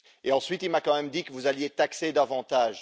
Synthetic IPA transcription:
eɑ̃sɥit̪ilmakɑ̃mɛmd̪ikəvuzaljet̪aksed̪avɑ̃t̪aːʒ

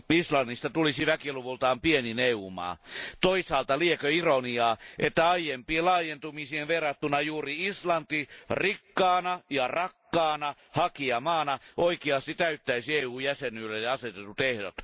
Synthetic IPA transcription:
islɑnːist̪ɑt̪ulisiʋækiluʋult̪ɑːmpienineuːmɑ̰ːt̪oisɑːlt̪ɑliekøironiɑːʔet̪ːæɑijempielɑːjent̪umisienʋerːɑt̪ːunɑjuːriislɑnt̪irikːɑːnɑjɑrɑkːɑːnɑ | hɑkiɑmɑːnɑʔoikiɑst̪it̪æyt̪ːæisieːuːjæsenylːejɑɑset̪et̪ːut̪ehɾot̪

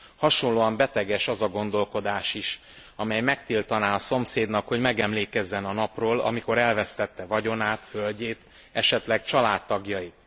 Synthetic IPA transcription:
hɒʃonlːoːɒmbɛt̪ɛɡɛʃɒzɒɡo̞n̪d̪o̞lko̞d̪aːʃiʃ | ɒmɛjmɛk̚t̪ilt̪ɒnaːɒso̞mseːd̪nɒkho̞ɟmɛɡɛmleːkɛzːɛnɒnɒproːlɒ̰miko̞ɾɛlvɛst̪ɛt̪ːɛvɒɟo̞naːt̪følɟeːt̪ | ɛʃɛt̪lɛɡ̚t͡ʃɒlaːt̪ːɒɡjɒjit̪

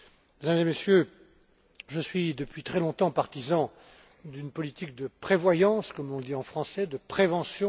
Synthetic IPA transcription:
med̪amzemesjø | ʒəsɥid̪əpɥit̪χɛlɔ̃t̪ɑ̃paʁt̪izɑ̃ | d̪ynpɔlit̪ik̚d̪əpχevwajɑ̃skɔmlɔ̃ləd̪iɑ̃fχɑ̃sɛd̪əpχevɑ̃sjɔ̃

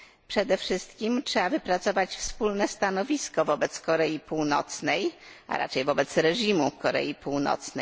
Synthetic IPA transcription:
pʂɛd̪ɛfʂɘst̪kʲimtʂɛavɘpɾat̪sɔvat͡ɕfspulnɛst̪anɔvʲiskɔvɔbɛt̪skɔɾɛjipuwnɔ̰t̪snɛja̰ɾa̰t͡ʂɛjvɔbɛt̪sɾɛʐimukɔɾɛ̰jipuwnɔ̰t̪snɛj

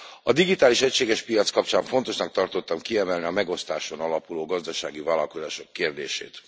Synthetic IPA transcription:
ɒd̪iɡit̪aːliʃɛcʃeːɡɛʃpijɒt̪skɒp̚t͡ʃaːɱfo̞nt̪o̞ʃnɒk̚t̪ɒrt̪o̞t̪ːɒmkiɛmɛlniɒmɛɡo̞st̪aːʃo̞nɒlɒpuloːɡɒzd̪ɒʃa̰ːɡivaːlɒlko̞zaːʃo̞kːeːrd̪eːʃḛːt̪

